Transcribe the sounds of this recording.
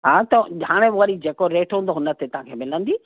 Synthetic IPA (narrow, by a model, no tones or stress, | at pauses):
ɦaːt̪ɐɦaːɽ̃ẽəɾid͡ʑeːkoɾeːʈɦũːnd̪oɦʊnə̆t̪et̪ɐɦãkʰeːmɪlə̃nd̪iː